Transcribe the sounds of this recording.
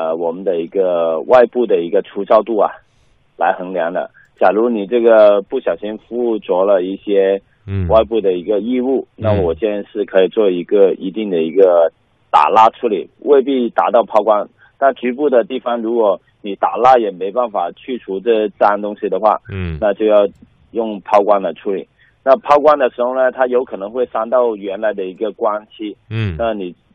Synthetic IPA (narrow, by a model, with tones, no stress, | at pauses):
ə˧wɔ˨˩mə˦nd̪ə˧i˧˥ɡə˧wa˥˧ɪpu˥˩d̪ə˩i˧˥ɡə˧ʈ͡ʂʰu˧˥t͡sɑ˥˧ʊt̪u˥˩a̰˩ | la˧˥ɪxɤ˧˥ŋljɑ˧˥ŋd̪ə̰˧˨ | t͡ɕja˨˩ɻu˧˥ni˨˩ʈ͡ʂɤ˥˩ɡə˩pu˥˩ɕjɑ˨˩ʊɕi˧˥ŋfu˥˩t͡swɔ˧˥lə˧i˥˩ɕjɛ˥ | wa˥˧ɪpu˥˩d̪ə˩i˧˥ɡə˧i˥˧u˥˩na˥˩wɔ˨˩t͡ɕɛ˥˧nʂɻ̩˥˩kʰɤ˧˥i˨˩t͡swɔ˥˩i˧˥ɡə˧ḭ˧˥t̪i˥˩ŋd̪ə˩i˧˥ɡə˧ | t̪a̰˨˩la˥ʈ͡ʂʰu˧˥li˨˩wʔe˥˧ɪp̬i˥˩t̪a˨˥t̪ɑ˥˩ʊpʰɑ˥ʊkwa˥n | na˥˩t͡ɕy˧˥pu˥˩d̪ə˩t̪i˥˩fɑ˥ŋɻu˧˥kwɔ˧˩ | ni˨˩t̪a̰˨˩la˥jɛ˨˩me˧˥ɪpa˥˩nfa˨˩t͡ɕʰy˥˩ʈ͡ʂʰu˧˥ʈ͡ʂɤ˥˧t͡s̩˥a˥nt̪ʊ˥ŋɕi˨d̪ə˩xwa̰˥˩na˥˧t͡ɕjo˥˧ʊjɑ˥˩ʊ | jʊ˥˩ŋpʰɑ˥ʊkwa˥nlə˨˩ʈ͡ʂʰu˧˥lḭ˨˩˦ | na˥˧pʰɑ˥ʊkwa˥nd̪ə˨ʂɻ̩˧˥xo˧ʊnə˨˩t̪ʰa˥jo˧˥ʊkʰɤ˨˩nɤ˧˥ŋxwe˥˩ɪsa˥nt̪ɑ˥˩ʊɥɛ˧˥nla˧˥ɪd̪ə˧i˧˥ɡə˧kwa˥nt͡ɕʰi˥na˥˩ni˨˩